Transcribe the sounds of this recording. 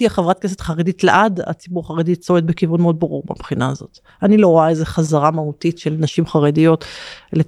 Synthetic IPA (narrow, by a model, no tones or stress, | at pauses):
iaχevʁat̚kes̬et̪χaʁeditleʔada̰t͡sibuʁaχaʁed̪it͡soet̪bekivunmeo̞d̪̚baʁuʁba̰bχinaːzo̞̰t̪ | anilo̞ʁoaezeχazaʁamahutitʃelnaʃimχaʁedijo̞t̪ele